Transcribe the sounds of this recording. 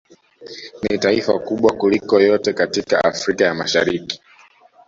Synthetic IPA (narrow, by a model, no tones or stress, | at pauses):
nitaifa̰kuɓwakulikɔjɔtɛkatika̰ʔa̰fɾikajama̰ʃa̰ɾiki̥